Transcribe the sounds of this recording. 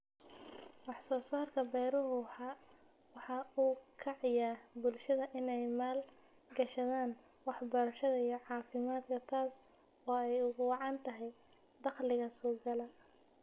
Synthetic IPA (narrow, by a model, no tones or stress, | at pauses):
wɑħsɔːsaːrkʰɐbɛːɾɔɦʊħɑwɑħɑuːkʰɐʕɑjaːrbʊlʃɐðɐʔɪnɛjmaːlɡɐʃɐðaːnwɑħbɐɾɐʃɐðɐijɔʕɑːfɪmaːd̪kʰɐt̪ʰaːsɔːɛjʊɣʊwɑʕɑnt̪ʰɐɦɛjd̪ɑqlɪɣɐsɔːɡɐlɐ